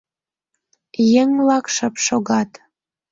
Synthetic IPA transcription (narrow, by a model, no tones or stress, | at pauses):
jeŋlɑkʃəpʃoɣɑt̪